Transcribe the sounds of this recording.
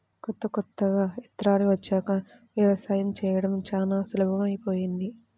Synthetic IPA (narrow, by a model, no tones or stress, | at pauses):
kɔt̪ːɐkɔt̪ːɐɡaːit̪ɾaːniʋɐt͡ʃːaːkɐ | ʋjɐʋɐsaːjɐmt͡ʃɛːjɐɽɐmt͡ʃaːlaːsulɐbʱɐmɐjpoːjind̪i